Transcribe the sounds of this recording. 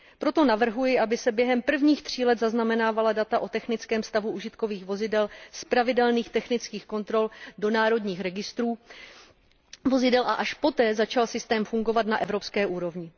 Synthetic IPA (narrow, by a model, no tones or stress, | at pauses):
pɾo̞t̪o̞navr̩ɦujɪʔabɪsɛbjɛɦɛmpr̩vɲiːxt̪r̝̥iːlɛt̪zaznamɛnaːvaladat̪aʔo̞t̪ɛxnɪt͡skɛːmst̪avuʔuʒɪt̪ko̞viːxvo̞zɪdɛlspɾavɪdɛlniːxt̪ɛxnɪt͡skiːxko̞nt̪ɾo̞ldo̞naːɾo̞dɲiːxɾɛɡɪst̪ɾuː | vo̞zɪdɛlʔa̰ʔaʃpo̞t̪ɛːzat͡ʃalsɪst̪ɛːmfuŋɡo̞vat̪naʔɛvɾo̞pskɛːʔuːɾo̞vɲɪ